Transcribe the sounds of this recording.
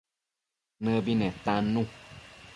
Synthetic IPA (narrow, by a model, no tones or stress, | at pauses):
nəbinɛ̃t̪ãnũ